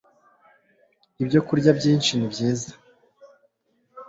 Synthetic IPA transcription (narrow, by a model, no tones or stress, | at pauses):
ibɟo̞kuɾɟabɟiːnt͡ʃinibɟiːzḁ